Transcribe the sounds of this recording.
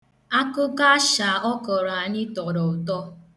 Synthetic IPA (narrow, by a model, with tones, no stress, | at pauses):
a˦kʊ˦ɡa˦ʃa˨ɔ˦kɔ˨ɾa˨ɲɪ˦tɔ˨ɾɔ˨ʊ˨tɔ˦